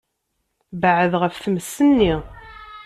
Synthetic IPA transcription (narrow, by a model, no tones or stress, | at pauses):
bəʕəðʁəfθməsːənːi